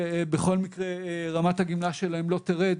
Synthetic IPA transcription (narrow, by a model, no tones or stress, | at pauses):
beχo̞lmikʁeʁamat̪haɡimlaʃelaemlo̞t̪eʁed